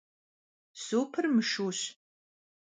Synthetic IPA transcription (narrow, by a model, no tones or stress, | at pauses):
soːpʰɨrmɨʂuːɕ